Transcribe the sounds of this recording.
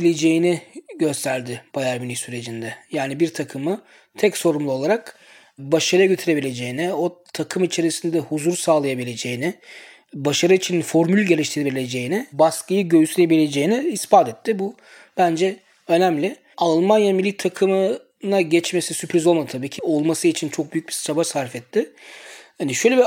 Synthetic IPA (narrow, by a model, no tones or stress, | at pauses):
bilʲe̞d͡ʒe̞jinɪɟø̞st̪ʰæɾd̪ɪb̥ajaɾmilʲisyɾe̞d͡ʒind̪ɛjaːnibiɾt̪ʰakʰɯmɯ | t̪ʰɛcso̞ɾumlˠuo̞lˠaɾak | baʃaɾaɟø̞t̪ʰyɾe̞bilʲe̞d͡ʒe̞jinɪo̞t̪ʰakʰɯmit͡ʃʰe̞ɾisind̪ɛhuzuɾsaːlˠajabilʲe̞d͡ʒe̞jinɪ | baʃaɾɯit͡ʃʰinfo̞ɾmylʲɟe̞lʲiʃt̪ʰiɾeiɾilʲe̞d͡ʒe̞jinɪbaskʰɯjɯɟø̞jysyɾebilʲe̞d͡ʒe̞jinɪːspat̪ɛt̪ʰːɪbu | b̥ænd͡ʒɛ | ø̞næmlʲɪ | alˠmanjamilʲːit̪ʰakʰɯmɯ | naɟɛt͡ʃmesisypɾizolˠmad̪ɯt̪ʰabiːcʰio̞lˠmasɯit͡ʃʰint͡ʃʰo̞k̚byjyc̚bit͡ʃʰabasaɾfɛt̪ʰːɪ | haniʃøjlʲebi